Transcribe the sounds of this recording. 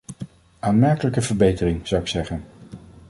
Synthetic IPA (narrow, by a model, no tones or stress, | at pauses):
aːnmɛɹkələkəvəɹbejtərɪŋz̥ʌwɪksɛχən